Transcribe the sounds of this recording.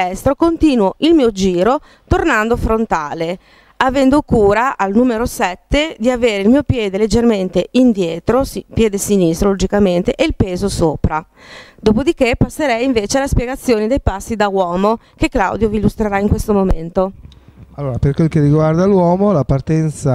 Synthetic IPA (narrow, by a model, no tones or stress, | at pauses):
ɛst̪ɾokont̪iːnwoʔilmiːod͡ʒiːɾo | t̪ornand̪ofɾont̪aːle | avɛnd̪okuːɾaʔalnuːmeɾosɛt̪ːed̪iaveːɾeilmiːopjɛːd̪eled͡ʒːerment̪eind̪jɛːt̪ɾospjɛːd̪esinist̪ɾolod͡ʒikament̪eʔeilpeːzosoːpɾa | d̪oːpod̪ikepːasːeɾɛjiɱveːt͡ʃealespjeɡat̪sːjoːnid̪ejpasːid̪awɔːmo | keklawd̪joviːlːust̪ɾeɾaiŋkwest̪omoment̪oalːoːɾaperkwelkeriɡward̪alwɔːmolapart̪ɛnt̪sa